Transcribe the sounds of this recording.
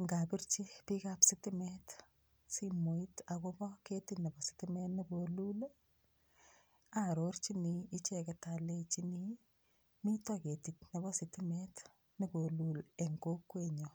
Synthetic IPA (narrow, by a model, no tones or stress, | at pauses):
ŋɡapiɾt͡ʃipikapsɪtɪmɛt | simoitakobɔketitnebɔsɪ̥timɛtnibolul | aɾort͡ʃiniːt͡ʃekɛtalet͡ʃini | mitɔketitnebɔsɪtimɛt | niboluleŋɡokːweɲo